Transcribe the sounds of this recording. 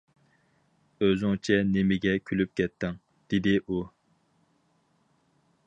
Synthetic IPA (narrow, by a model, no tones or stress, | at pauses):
øzyŋt͡ʃʰɛnemɪɡʲɛkʲʰylyp̚kʲʰɛt̪ʰːɪŋ | d̪̥ed̪ɪʔu